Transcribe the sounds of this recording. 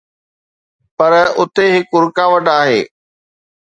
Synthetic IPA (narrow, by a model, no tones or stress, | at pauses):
pɐɾʊt̪eɦɪkʊɾkaʋɐʈaːɦeː